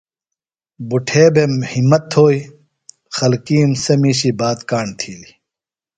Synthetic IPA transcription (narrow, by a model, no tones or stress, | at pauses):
buʈʰeːbemhimːɐt̪ʰoːi | xɐlkiːmsɐmiːɕibaːt̪kaːɳt̪ʰiːli